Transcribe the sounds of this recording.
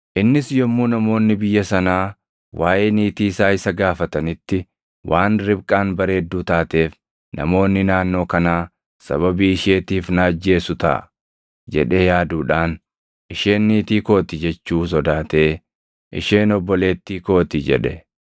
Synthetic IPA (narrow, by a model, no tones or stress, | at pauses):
ʔɪnːɪsjɔmːuːnɐmo̞ːnːɪbɪjːɐsɐnaː | wʔaːʔeːniːt̪iːɪsaːɪsɐɡaːfɐt̪ɐnɪt̪ːɪ | wʔaːnɾɪbkʼaːnbɐɾe̞ːd̪ːuːt̪aːt̪e̞ːf | nɐ̰mo̞ːnːɪnaːnːo̞ːkɐnaː | sɐ̰βɐbiːɪʃe̞ːt̪iːfnɐːd͡ʒːe̞ːsʊt̪ɐ̰ː | d͡ʒɛ̰ᶑeːjaːd̪uːᶑaːn | ʔɪʃeːnːiːt̪iːko̞ːt̪ɪd͡ʒɛt͡ʃːuːs̬ɔd̪aːt̪e̞ː | ʔɪ̰ʃe̞ːnɔbːɔle̞ːt̪ːiːko̞ːt̪id͡ʒɛ̰ᶑɛ